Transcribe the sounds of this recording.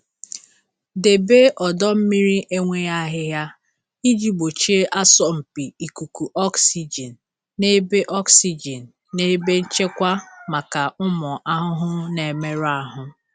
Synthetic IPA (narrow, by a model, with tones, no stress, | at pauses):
de˨be˦ʔɔ˨dɔ˦m̩˦mi˦ɾi˦ʔe˦ŋʷe˦ja˦ɦɪ˦ɦja˦ | i˦d͡ʒi˨ɡ͡bo˨t͡ʃe˦ʔa˦sɔ˨m̩˨pi˨i˨ku˨ku˨ʔɔ˦ksi˦d͡ʒe˨nː˨ | e˦be˦ʔɔ˦ksi˦d͡ʒe˨n̩˨ | ne˦be˦n̩˦t͡ʃe˦kʷa˦ma˨ka˨ʊ˦mɔ˨ʔa˦ɦʊ˦ɦʊ˦ne˨me˦ɾa˦ɦʊ˦